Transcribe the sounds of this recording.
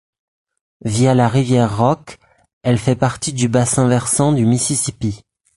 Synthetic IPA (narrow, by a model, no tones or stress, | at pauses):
vijalaʁivjɛʁːɔk | ɛlfɛpaʁt̪id̪ybasɛ̃vɛʁsɑ̃d̪ymisisipi